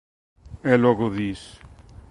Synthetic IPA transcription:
elɔɣoðis

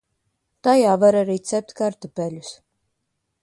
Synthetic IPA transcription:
t̪ɑjɑvɛɾɛɾit͡sʰɛp̚t̪kɑɾt̪əpɛlʲus

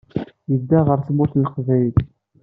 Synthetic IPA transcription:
jəd̪ːæʁəɾθmʊɾθənəqvæjəl

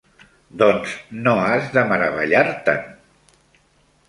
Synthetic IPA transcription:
d̪ɔnznoazðəməɾəβ̞əʎaɾt̪ə̰n

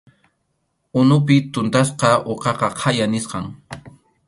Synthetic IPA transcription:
ʊnʊpɪt̪ʊnt̪as̬qɑoqɑqɑqʰɑjanɪsqɑŋ

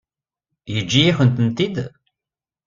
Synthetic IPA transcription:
jəd͡ʒːijiçənt̪ənt̪id̪

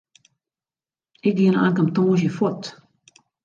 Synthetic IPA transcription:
ɪk̚ɡiəna̰ːnkamtõːʃ̬jəfɔt

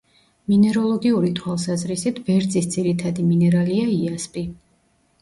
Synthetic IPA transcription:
minɛɾɔlˠɔɡiuɾit̪ʰwalˠsazɾisit̪ʰbɛɾd̪zisd̪ziɾit̪ʰad̪iminɛɾaliaiaspʼi

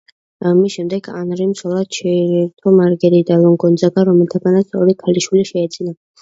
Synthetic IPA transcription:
amisʃɛmd̪ɛɡa̰nɾimsɔlˠad̪ʃʰɛɾiɾt̪ʰɔmaɾɡɛɾid̪alˠɔŋɡɔnd̪zaɡaɾɔmɛlˠt̪ʰaɡanat̪sʰɔɾikʰaliʃwiliʃɛːd̪z̥ʼina

